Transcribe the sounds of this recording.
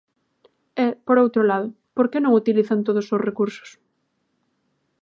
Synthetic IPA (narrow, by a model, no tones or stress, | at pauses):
ɛpoɾowt̪ɾolaðʊ | poɾkenõŋut̪iliθant̪oð̞ʊsosrekuɾsʊ̥s